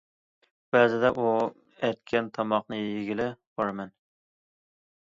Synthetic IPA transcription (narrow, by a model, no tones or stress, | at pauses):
b̥ɛːzɪd̪ɛʔu | ɛt̪̚kʲʰɛnt̪ʰɑmɑqnɨjjɪɡʲilɪb̥ɑɾɨmɛn